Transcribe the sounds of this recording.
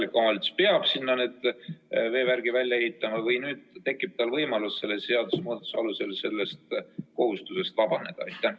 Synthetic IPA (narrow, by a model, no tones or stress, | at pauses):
likːˑomɑlt̪speɑb̥sinːɑneːd̪̥ve̞ːværɡ̥ivælʲjɑehit̪ːˑɑmɑvɯjnyːd̪̥̚t̪e̞kːˑib̥̚t̪ɑlvɤjmɑlusse̞lːesseɑd̪̥usemoːd̪ˑu̥sɑluse̞lse̞lːe̞st̪ko̞hust̪use̞st̪vɑbɑne̞d̪̥ɑɑjt̪ˑːæ